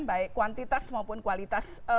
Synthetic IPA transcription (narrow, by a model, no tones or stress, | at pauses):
nbaɪʔkːuwant̪it̪asmaupʊnkwalit̪asə